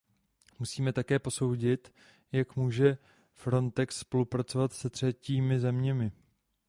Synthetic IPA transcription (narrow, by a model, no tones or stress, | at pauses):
musiːmɛt̪akɛːpo̞so̞wɟɪt̪ | jakmuːʒɛ | fɾo̞nt̪ɛksːpo̞lupɾat͡so̞vat̪sɛt̪r̝̥ɛciːmɪzɛmɲɛmɪ